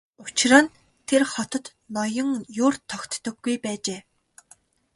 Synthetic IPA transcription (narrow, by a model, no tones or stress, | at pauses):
ʊt͡ɕrə̆n | t̪ʰerχɔt̪ə̆t̪ | nɔjɞ̆ŋjʊrt̪ʰɔkt̪ːɵ̆ɡːujpæːt͡ɕeː